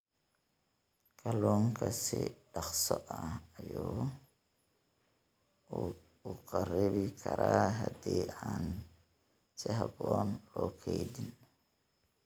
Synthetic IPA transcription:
kʰɐlɔːŋkʰɐsɪɖɑqsɔʔɐɐjɔː | ʊqʰɐrɪβɪkʰɐɾaːɦɐd̪iːaːn | sɪɦɐbɔːnlɔːkʰɛjd̪ɪn

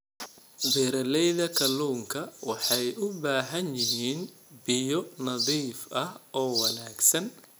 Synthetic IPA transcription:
bɛːɾɐlɛjðɐkʰɐluːŋkʰɐwɑħɑjʔʊbaːɦɐnjɪɦiːnbɪjɔnɐðiːfɐhʔɔːwɐnaːɡsɐn

